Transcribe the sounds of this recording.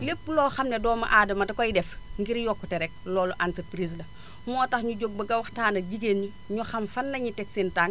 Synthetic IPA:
lepːulɔːxɐmnɛdɔːmɐ̰ʔaːdɐmɐdɐkɔjdɛfŋɡiɾjɔkːutɛɾɛk̚lɔːluʔantəpɾiːslɐ | mɔːtɐxɲuɟoɡ̚bɐɡɐwɐxtaːndɐɟiɡenɲu | ɲuxɐmfɐnːɐɲitɛksintaːŋ

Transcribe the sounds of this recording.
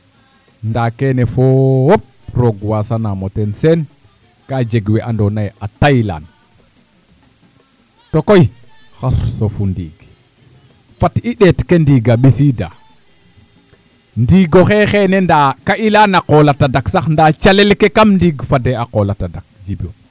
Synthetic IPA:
ndakenefowop̚ɾoɡwasanamotensen | kad͡ʒeɡweʔandonajatajla̰n | tokoj | xaɾsofundiɡ | fatiɗetkendiɡaɓisida̰ | ndiːɡoxexenendakaʔilanaqolatadaksaxndat͡ʃalelkekamndiɡfadeaqolatadak̚d͡ʒibio

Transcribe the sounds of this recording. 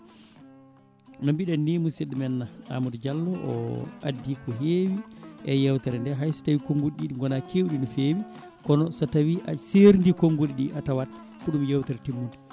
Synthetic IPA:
nɔmbiɗanːiːmusiɗmɛnːaa̰mudd͡ʒalːɔʔɔ̰a̰dːikɔɦeːwiʔɛjɛwtɛɾɛndɛɦajstawikoŋɡuɗiɗiɗiŋɡɔnakʰewɗinɔfeːwi | kɔnɔsɔtawiʔa̰seɾndikoŋɡuɗiɗiʔatawat | kuɗumjawtɛɾtimːundi

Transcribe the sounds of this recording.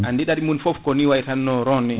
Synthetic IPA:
andiɗaɗimunfɔfkɔniwajtanːɔɾɔnɛ

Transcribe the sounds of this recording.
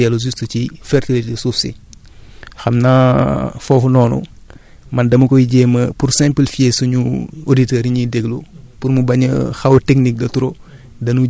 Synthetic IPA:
ɛluzustucifɛrtilitesufsḭ | xɐmnafɔːfunɔːnṵ | mɐndɐmukɔiɟɛmɐpuɾsɛ̃mpəlfiesuɲuoditɛɾiɲidɛɡlu | puɾmubɐɲə̰xɐwtɛknik̚dɐtuɾo | dɐnu

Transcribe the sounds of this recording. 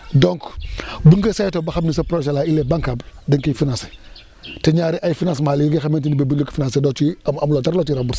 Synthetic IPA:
dɔŋkbuŋɡɐsajtobaxabnisapɾoʃalailebaŋkabdəŋkifinase̥ | teɲaɾiʔajfinãnsmaːliiɡexamentinibebulukfinãnsedot͡ʃimamlotaɾloːt͡ʃiɾabuɾs

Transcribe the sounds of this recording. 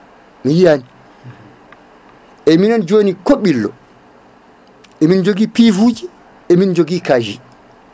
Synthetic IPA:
mijijani | ʔɛminand͡ʒonikoɓilːɔ̰ | ɛmind͡ʒoɡiːpivud͡ʒi | ɛmind͡ʒoɡikad͡ʒḭ

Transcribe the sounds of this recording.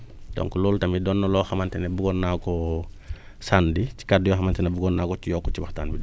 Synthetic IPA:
dɔ̰ŋkuloːltɐmidɔnːɔlɔxamantɛnebuɡɔnːakɔ | sandici̥kadːjɔxamantɛnɛbuɡɔnːaːkɔt͡ʃijɔkːɔcibaxta̰nbid

